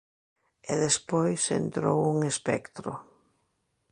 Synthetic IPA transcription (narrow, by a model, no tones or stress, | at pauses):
eðespojsḛnt̪ɾowuŋespɛkt̪ɾʊ̰